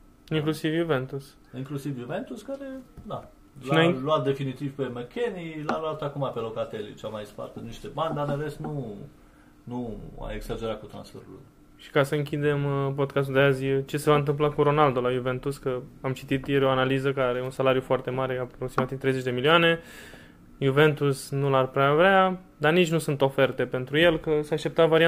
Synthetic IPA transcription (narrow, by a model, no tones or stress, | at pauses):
iŋklusivjuve̞nt̪us | iŋklusivjuve̞nt̪uskaɾed̪a | ʃlainaluat̪̚d̪e̞finit̪iv̥pe̞mekʲenilalalt̪əakumapelokat̪elḭt͡ʃamajspa̰rt̪əniʃt̪ebanʲd̪aneɾesnu | nua̰eɡsad͡ʒe̞ɾat̪̚kut̪ɾa̰nsfe̞̰ɾulṵj | ʃi̥kasəɨŋkʲid̪e̞mp̬od̪̚kas̬t̪uld̪eazət͡ʃe̞se̞vaɨnt̪̬ɨmp̬lakuɾo̞nald̪o̞lajuve̞nt̪uskəamt͡ʃit̪it̪jeɾeo̞analizəkaɾejeunsalaɾjufoart̪e̞maɾe̞apɾoksimat̪ivt̪ɾejzet͡ʃʲd̪emilioane̞ | juve̞nt̪usnularpɾeavɾea | d̪arnit͡ʃʲnusunt̪o̞fe̞rt̪e̞pe̞nt̪ɾuje̞lkəseaʃt̪e̞pt̪at̪vaɾia